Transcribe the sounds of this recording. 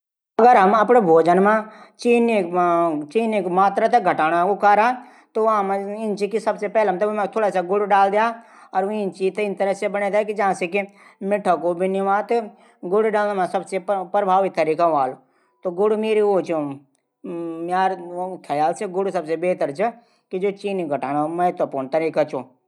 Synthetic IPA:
ɐɡəɾɦɐmɐpnebʱoːd͡ʒənmãt͡ʃiːnekt͡ʃiːnekmaːt̪ɾat̪eɡʱɐʈaːnakokaɾa | t̪oʋɐɦãmãɪnt͡ʃikisɐbsepɛːlamt̪əmãt̪ʰoːɽaːsaɡʊɽɖaːld̪ja | ɔːɾʋĩnt͡ʃit̪ɪnt̪əɾəsebɐnet̪ekid͡ʒɐɦãsekimɪʈʰəkobʱiniʋãt̪e | ɡʊɽɖaːlmãsɐbsepɾəbʱaːʋit̪ːəɾiːkaʋaːl | t̪oɡʊɽmeːɾioːt͡ʃʰo | mjaːɾkʰːajaːlseɡʊɽsɐbsebeːt̪əɾt͡ʃʰɛ | kid͡ʒoːt͡ʃiːniɡʱɐʈaːnamɐɦɪt̪wəpuːnt̪ɐɾiːkat͡ʃoː

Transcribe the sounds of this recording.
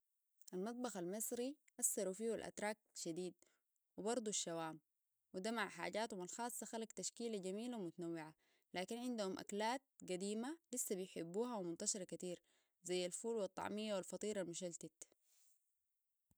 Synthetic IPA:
ʔalmɑt̪̚ˤbɑxalmɑsˤɾiʔasːɑɾufiːhulʔa̰t̪ɾˤɑːk̚ʃad̪iːd̪̚ | wibɑɾˤd̪ˤuʃːawaːm | wid̪amaʕħa̰ːɟaːt̪humalxɑːsˤːɑxalakt̪aʃkiːlaɟamiːlawmʊt̪anawːɪʕa | laːkinʕɪnd̪uhumʔa̰klaːt̪̚ɡad̪iːmalisːabijħɪbːuːɦawmʊnt̪aʃɑɾˤɑkat̪iːɾ | zajːalfuːlwɑt̪ˤːɑ̰ʕmijːawalfɑt̪ˤiːɾalmʊʃalt̪at̪

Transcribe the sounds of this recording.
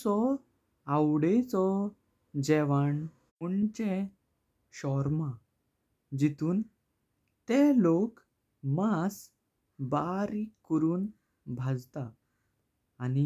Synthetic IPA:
ɔ | awɽet͡sɔ | d͡ʑɛʋaɳ | uɳt͡ɕe | ɕɔɾma | d͡ʑit̪uːn | t̪elok | mas | baɾikːəɾuːn | bʱad͡zt̪aː | ni

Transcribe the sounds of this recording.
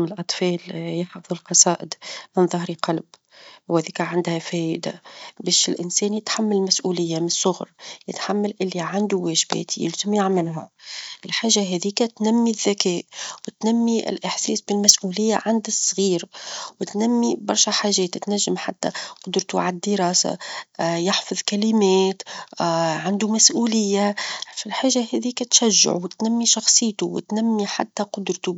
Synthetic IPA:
mnɪlʔɑt̪ˤfɑːljɑħfɑðˤʊlqɑsˤɑːʔɪd̪mɪnðˤɑhɾiqɑlb | whɛːðiːkʕand̪hæfɛːʔɪd̪abɛːʃɪlʔɪnsɛːnjɪt̪ħamːallmæsʔuːlɪjːamɪnsˤːʊɣɾjɪt̪ħamːalʔɪlːiʕand̪uwɛːʒbɛ̰ːt̪ijɪ̰lzɪmjɪʕmɪlɦæ̰ʔɪlħaːʒːaɦɛðiːkæt̪næmːiðːakɛːʔwɪt̪namːiʔɪ̰lʔɪħsɛ̰ːsbɪlmasʔuːlɪjːa̰ʕand̪ɪsˤːɣiːɾwɪt̪namːibɑɾˤʃaħaːʒɛːt̪t̪naʒːɪmħat̪ːa̰qʊd̪ɾt̪uʕaad̪ːɪɾɑːsa̰jɪħfɑðˤkalɪmɛːt̪ | ʕand̪umasʔuːlɪjːafilħaːʒaɦɛːðikæt̪ʃaʒːɪ̰ʕwɪt̪namːiʃɑxsˤɨjːt̪uwɪ̰t̪namːiħa̰t̪ːaqʊd̪ɾt̪u

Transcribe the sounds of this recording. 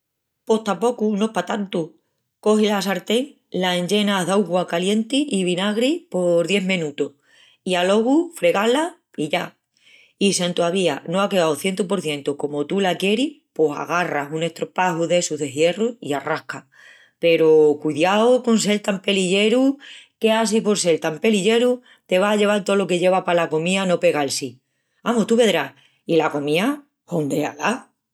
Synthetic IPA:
po̞ht̪apo̞kunoepat̪ant̪u | ko̞ɦilas̬aɾt̪eŋ | laẽɲd͡ʒe̞naðawɣwakalje̞nt̪iʔiβinaɣɾipo̞ɾðje̞ɦmẽnut̪oh | ialo̞ɣ̞ufɾe̞ɣala | iʝa | isent̪oaβianoakeɣawθje̞nt̪upo̞ɾθje̞nt̪uko̞mot̪ulakje̞ɾiposa̰ɣ̞arasune̞ht̪ɾopaɦuðe̞suɦðe̞ɦje̞ruḭarahka | pe̞ɾokuðjaoko̞ns̬e̞lt̪ampe̞liʎe̞ɾuke̞as̬ipo̞ɾse̞lt̪ampe̞liʎe̞ɾu | t̪e̞β̞aːʎe̞β̞alt̪olo̞ke̞ʎe̞βapalako̞mĩano̞pe̞ɣaelsi | amot̪uβe̞ðɾah | ilako̞mĩa | hond̪ea̰la

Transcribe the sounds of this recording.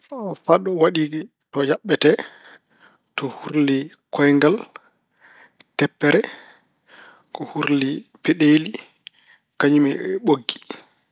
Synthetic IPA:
faɗɔwaɗiɡi | tɔjaɓːɛtɛ | tɔhuɾli | kɔjŋɡal | tɛpːɛɾɛ | kɔhuɾlipɛɗeːli | kaɲimɛɓoɡːi̥

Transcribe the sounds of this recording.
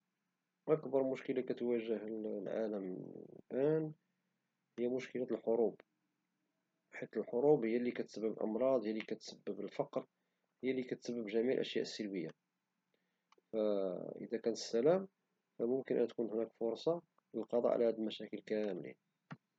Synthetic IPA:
ʔækbɑɾˤmʊʃkəlakæt̪wæʒəhlʕa̰ləmlʔæn | həjːæmʊʃkəlælħoɾub | bħit̪əlħoɾˤubhəjːælikæt̪səbːəbəlʔɑ̰mɾˤɑd̪ˤhəjːælikæt̪səbːəbəlfɑqɾ | həjːælikæt̪səbːəbʒæmiʕlʔæ̰ʃjæ̰ʔəsːəlbəjːa | fæʔə̰d̪ækænt̪əsːælæm | fæmʊmkənʔə̰nt̪kunhnækfʊɾˤsˤɑ | ləlqɑd̪ˤɑ̰ʕ̰lʔæhæd̪əlmæʃækəlkæmlḭ

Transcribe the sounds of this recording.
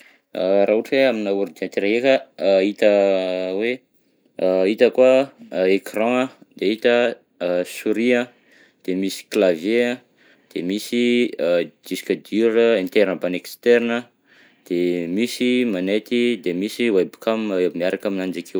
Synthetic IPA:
arauʈ͡ʂweaminauɾid̪iãnt̪iɾaɦekəit̪əwe | it̪əkuaekrɑ̃əd̪eit̪ə | suɾiə̃ | d̪̥emisi̥klavjeə̃ | d̪̥emisi | d̪̥isi̥kʲad̪iɾəẽnt̪eɾanəbanekst̪eɾinə | d̪̥emisimanet̪id̪emisiwajbi̥kamebimiaɾakaminand͡ʒakʰew

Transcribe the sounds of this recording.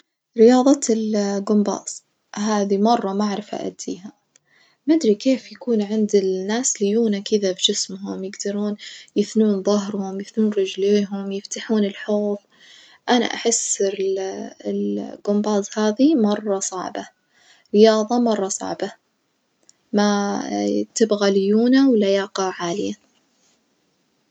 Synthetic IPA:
ɾɪjɑːðˤɑt̪ɪlɡʊmbɑ̰ːz̥ˤ | ɦaːðimɑrˤːɑmaʕɾɪfa̰ʔa̰d̪ːḭːha | mad̪ɾikeːfjakuːnʕɪnd̪ɪlnːaːslɪjuːnakɪðabd͡ʒɪsmɦʊmjɪɡd̪ɑɾˤuːnjɪθnuːnðˤɑɦɾhʊmjɪθnuːnɾɪd͡ʒleːɦʊmjɪft̪aħuːnɪlħoːb | ʔana̰ʔaħɪsɪlɪlɡʊmbɑːzˤhaːðimɑrˤːɑsˤɑʕba | ɾɪjɑːðˤɑmɑrˤːɑsˤɑ̰ʕba | ma | t̪ɪbɣaljuːnawɪlːajɑːqɑʕaːlɪja

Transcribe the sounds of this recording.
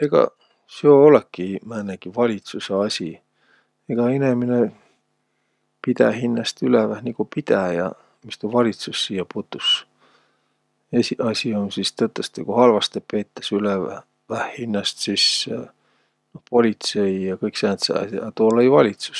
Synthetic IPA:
e̞ɡ̥ɑ̰ | seoolekːˑimæːnːæɡ̥ivɑlʲit̪suseɑsʲi | eɡ̥ɑenemine | pid̪̥æ̰ɦinːɑst̪ylevæhnikupid̪̥æjɑ̰ | mist̪ulvɑlʲit̪susːiːjɑput̪ːˑus | esiɑsʲionsist̪ɤt̪ːˑest̪ekuhɑlvɑst̪epe̞ːt̪ːɑ̥syle | væhhinːɑst̪sis | no̞hpo̞lʲit̪se̞ijɑkɤjksæːnt̪sḛɑ̰ɑt̪ulːɑjvɑlʲit̪su̥s

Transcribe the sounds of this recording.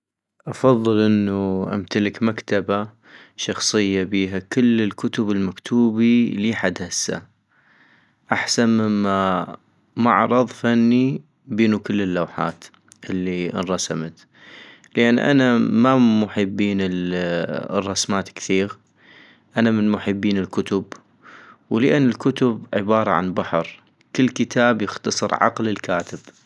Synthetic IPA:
ʔɑfɑðˤːɨlʔɪnːuʔa̰mt̪alɪkmakt̪aba | ʃɑxsˤɨjːabiːɦakɪlːɪlkʊt̪ʊbɪlmakt̪ʰuːbiliːħad̪hasːa̰ | ʔaħsanmɪmːa | maʕɾˤɑðˤfanːi | biːnukɪlːɪlːawħa̰ːt̪ | ʔɪlːiʔnɾˤɑsamat̪ | ləʔanːʔa̰namamʊħɪbːiːnɪl | rˤːɑsmaːt̪kθiːɣ | ʔanamɪnmʊħɪbːiːnɪlkʊt̪ʊb | wlʔanːɪlkʊt̪ʊbʕɪ̰bɑːɾˤɑ̰ʕa̰nbaħɾ | kɪlːkət̪ʰaːbjɪxt̪ɑsˤɨɾʕɑ̰qlɪlkaːt̪ɪb̥

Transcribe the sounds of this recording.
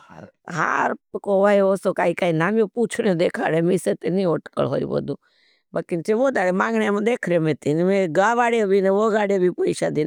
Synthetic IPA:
a | ɦa̰ɾpkoʋaeosokaːikaːinaːmjõpuːt͡ʃʰnjẽd̪eːkʰaːɾemiset̪enĩoːʈkə̰ɭɦo̰ːḭʋo̰d̪ũː | bəkint͡ʃʰeʋoːd̪aːɽemãːŋɡɳjamãd̪eːkʰɾomet̪inmẽɡaːʋaːɽjebʱineʋoːɡaːɽebʱipoiʃaːd̪in

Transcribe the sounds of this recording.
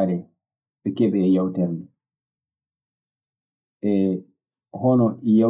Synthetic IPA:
ɾɛ | bɛkɛbɛːjawtɛɾni | ʔɛ | hɔnɔʔija

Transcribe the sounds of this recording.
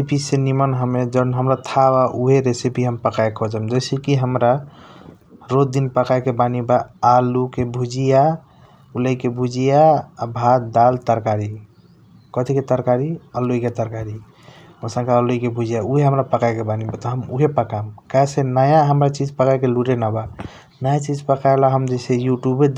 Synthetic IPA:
ipisenimənɦəmed͡ʒənɦəmɾat̪ʰabaʔuɦeɾesipiɦəmpəkajkʰɔd͡ʒamd͡ʒəjsekiɦəmɾa | ɾod̪inpəkajkebanibaːlukebʱud͡ʒija | uləikebʱud͡ʒijaːbʱad̪alt̪əɾkaɾi | kət̪ʰiket̪əɾkaɾialːuiket̪əɾkaɾi | osə̃ŋkauloikebʱud͡ʒijauɦeɦəmɾapəkajkebanibat̪ɔɦəmuɦepəkamkasenajaɦəmɾat͡ʃid͡ʒpəkakeluɾenaba | nat͡ʃid͡ʒpəkajlaɦəmd͡ʒəsejuʈjubed̪

